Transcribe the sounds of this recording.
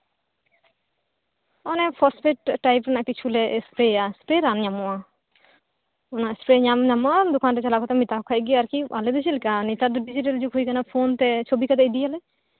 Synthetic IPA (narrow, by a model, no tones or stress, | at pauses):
ɔnɛpʰɔspeʈːajp̬ɾɛnaʔpit͡ʃʰulɛʔspɾeaspɾeɾanɲamua | unaspɾeɲamɲamad̪ukʰaːnt̪ɛt͡ʃalakɔt̪ɛmit̪akʰajɡiaɾkia̰led̪ut͡ʃʰilkanit̪ad̪uɖid͡ʒiʈ̬ɐld͡ʒukʰujkanapʰoːnt̪ɛt͡ʃʰobikat̪ɛid̪ijalɛ